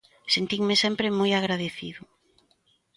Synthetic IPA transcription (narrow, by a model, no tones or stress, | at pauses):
sent̪iŋmesɛmpɾemojaɣɾaðeθḭðʊ